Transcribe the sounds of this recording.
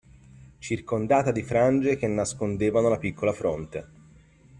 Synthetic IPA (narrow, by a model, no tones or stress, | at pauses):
t͡ʃirkond̪aːt̪ad̪ifɾand͡ʒek̟enːaskond̪eːvanolapikʰːolafɾont̪e